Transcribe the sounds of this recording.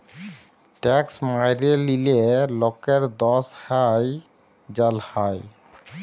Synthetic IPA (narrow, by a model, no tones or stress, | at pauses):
ʈɛksmajɾelilelɔkeɾd̪ɔshaj | d͡ʑalhaj